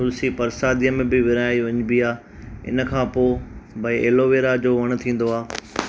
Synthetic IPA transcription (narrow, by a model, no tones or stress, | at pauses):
ʊlsipɐɾsaːd̪ijəmẽbɪʋɪɾaːiʋɐ̃ɲbiaː | ɪ̰nə̆kʰãːpoːbɐeːloʋeːɾad͡ʑoːʋɐɽ̃̆t̪ʰĩːn̆d̪oaː